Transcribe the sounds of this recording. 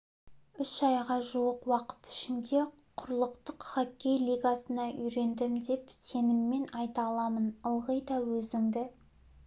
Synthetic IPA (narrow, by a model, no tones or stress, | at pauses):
ʏsɑjʁɑʒuwəqwɑqə̥t̪ɪ̥ʃɪnd̪e̞ | qʰʊɾlˠəqt̪əqχakʲːe̞jlʲiɡasənɑʔʏjɾe̞nd̪ɪmd̪e̞pse̞nɪmːe̞nɑjt̪ɑlˠɑmənəlˠʁəjd̪ɑwɵzɪŋd̪ɪ